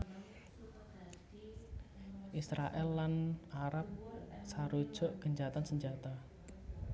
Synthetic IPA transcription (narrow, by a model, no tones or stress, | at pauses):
ʔisɾaʔɛlːanaɾap̚saɾud̥ʒ̥ɔʔɡ̥əɲd͡ʒat̪ansəɲd͡ʒat̪a